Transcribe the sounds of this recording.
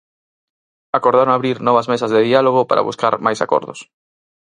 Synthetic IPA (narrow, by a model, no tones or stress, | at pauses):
akoɾð̞aɾoŋaβɾiɾnɔβ̞azmesazðeðialoɣ̞ʊpa̰ɾʔa̰βṵska̰ɾmajsa̰kɔ̰ɾðʊ̰s